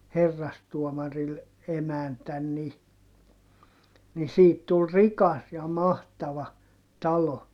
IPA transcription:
herːɑstuɔmɑril emæntæn ni ni siːt tul rikɑs jɑ mɑhtɑʋɑ tɑlo

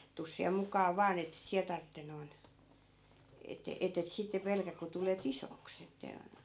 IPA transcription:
tus siæ mukˑɑː ʋɑːn etːet siæ tɑrtːe noi̯n etːe etːet sitːe pelkæk̆ ku tulet isoks etːæ

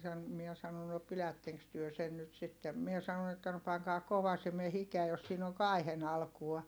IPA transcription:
sɑn miɛ sɑno no pilætːeŋks tyø sen nyt sitːem mie sɑnon etːæ no pɑŋkɑː koʋɑsime hikeæ jos siːn oŋ kɑi̯hen ɑlkuɑ

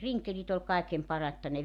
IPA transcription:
riŋkelit ol kɑekem pɑrɑtːɑ ne

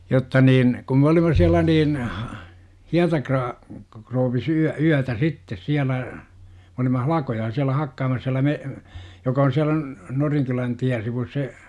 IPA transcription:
jotːɑ niːn kum m olimɑ siælˑæ niːn hiɑtɑkrɑː krouʋːis yæ yætæ sitːes siælæ mĕ olimɑ hɑlɑkojɑ siælæ hɑkːɑːmɑs siælæ me jokɑ on siælæ n noriŋkylæn tiæn̞ siʋus se

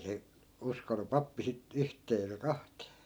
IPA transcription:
se uskonu pɑpːi sit yhtˑeː eikæ kɑhtˑeː

